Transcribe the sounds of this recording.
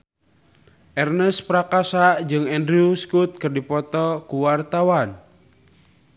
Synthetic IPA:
ʔɛrnɛspɾakasaʔd͡ʒɨŋɛndɾiuskut̪̚kɨrdipɔt̪ɔkuwart̪awan

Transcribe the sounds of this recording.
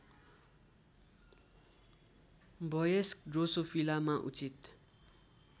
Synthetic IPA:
bʌjeskɖrosopʰilamaʔṵt͡sit̪

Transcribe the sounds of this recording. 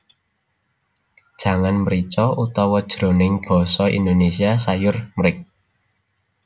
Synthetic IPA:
d̥ʒ̥ä̤ŋanmɾit͡ʃɔut̪ɔwɔd̥ʒ̥ɾo̤nɪŋb̥ɔ̤sɔḭnd̪onesiasajʊrmɾɪk̚

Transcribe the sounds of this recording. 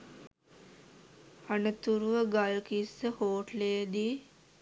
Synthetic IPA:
anət̪uɾuʋəɡalkisːəhoːʈlejəd̪i

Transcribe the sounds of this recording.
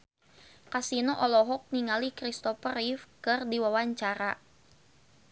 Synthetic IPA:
kasinɔʔɔlɔɦɔk̚niŋalikɾist̪ɔfəɾifkɨrdiwawaɲt͡ʃaɾa

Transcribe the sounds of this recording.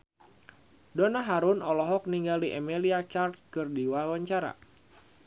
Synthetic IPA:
dɔnaɦaɾʊnɔlɔɦɔk̚niŋɡaliʔɛmeliat͡ʃart̪̚kɨrdiwawaɲt͡ʃaɾa̰

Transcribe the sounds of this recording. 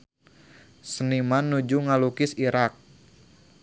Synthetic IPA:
sənimanːud͡ʒuŋalukɪsiɾak̚

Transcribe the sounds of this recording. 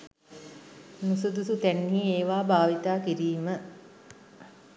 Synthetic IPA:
nusud̪usut̪ænːiːeːʋaːbʱaːʋit̪aːkiɾiːmə

